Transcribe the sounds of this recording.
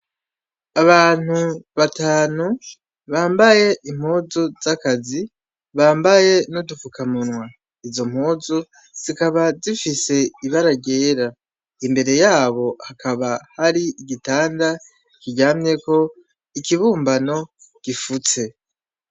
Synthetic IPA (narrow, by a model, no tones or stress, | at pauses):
aβaːn̥huβataːnu | βaːmbaje̞ʔim̥huːzuz̥akazi | βaːmbaje̞nudufukamunwa | izo̞m̥huːzu | z̥ikaβazifise̞iβaɾaɡɟe̞ːɾa | imbe̞ɾe̞jaːβo̞hakʰaβahaɾiiɡitaːnda | ikiɟaːmɲe̞ko̞ | ikiβuːmbano̞ | ɡ̥ifut͡se̞